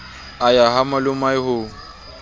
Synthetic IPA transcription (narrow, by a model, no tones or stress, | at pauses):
ajahamalʊmaɪhʊːŋ̩